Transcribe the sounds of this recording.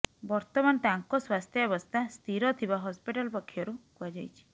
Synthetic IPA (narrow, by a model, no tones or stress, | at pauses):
bɔɾt̪ɔmant̪aŋkɔswast̪ʰjɔebɔst̪ʰast̪ʰiɾɔt̪ʰibaɦɔspiʈalpɔkʰːjɔɾuɦuad͡ʒajt͡ʃʰi̥